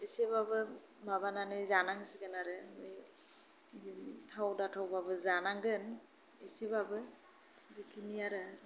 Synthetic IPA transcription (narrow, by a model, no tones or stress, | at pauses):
esibabɯ | maβananɯzanaŋisiɡɯnaɾɯmɯj | zimtʰawdatʰawbabɯzanaŋɡɯn | esibabɯ | bikʰinijaɾɯ